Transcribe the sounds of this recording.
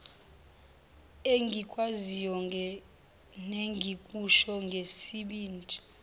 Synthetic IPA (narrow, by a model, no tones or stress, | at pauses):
eŋɡʱikʼwazijɔ | neŋɡʱikʼuʃɔŋɡʱesiɓiːnd͡ʒʱi̥